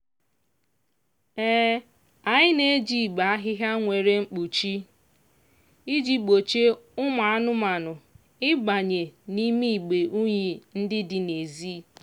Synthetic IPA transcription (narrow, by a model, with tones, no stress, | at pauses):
ɛː˦ | a˨ɲɪ˦ne˦d͡ʒi˨ɡ͡ba˨a˦ɦɪ˦ɦa˦ŋʷe˨ɾe˦ŋ͡m̩˦k͡pu˨t͡ʃi˦ | i˦d͡ʒi˨ɡ͡bo˨t͡ʃe˦ʊ˦ma˨a˦nʊ˦ma˨nʊ˨ | ɪ˦ɡ͡ba˨ɲe˨ni˦mi˦i˨ɡ͡be˨ʔu˦ɲi˨n̩˦dɪ˦dɪ˨ne˨zi˦